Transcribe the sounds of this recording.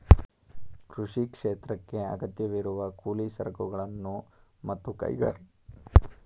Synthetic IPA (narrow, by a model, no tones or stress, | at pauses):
kɾuʂikʂeːt̪ɾɐkːe̞ɐ̰ɡɐt̪jɐʋiɾuʋɐkuːlisɐ̰ɾɐɡuɡɐɭɐnːumɐt̪ːukɐ̰jɡɐ̰ɾ